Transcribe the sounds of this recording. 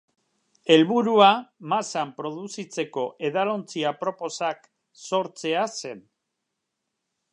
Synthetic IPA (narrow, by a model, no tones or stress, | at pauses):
e̞lβuɾuamasampɾo̞ð̞usit͡se̞ko̞ʔe̞ðalo̞nt͡siapɾo̞po̞sak | so̞ɾt͡se̞ase̞n